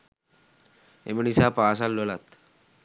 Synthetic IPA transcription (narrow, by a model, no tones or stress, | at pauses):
ḛmenisapaːs̬alːolat̪